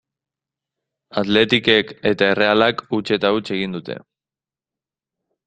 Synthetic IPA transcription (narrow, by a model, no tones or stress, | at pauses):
at̪le̞t̪ike̞ke̞t̪ae̞re̞alakut͡ʃe̞t̪aut͡se̞ɣind̪ut̪e̞̰